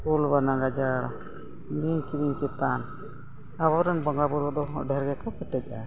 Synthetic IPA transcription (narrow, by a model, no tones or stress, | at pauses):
ulbanaɡad͡ʒaɾ | miɲkid̪iɲkɛt̪an | aβaɾɛnbɔŋɡabuɾɔd̪ɔɖɛɾɡɛkɔpɛʈɛc̚ˀa